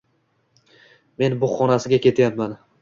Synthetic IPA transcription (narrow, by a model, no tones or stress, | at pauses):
me̞nbʊχɒnasɪɡʲakʲe̞t̪ʰajapman